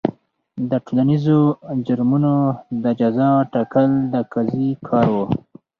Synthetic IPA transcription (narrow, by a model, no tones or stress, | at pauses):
d̪əʈolanizod͡ʒʊɾmunod̪əd͡ʒazɑʈɑkəld̪əkazikʰɑɾwo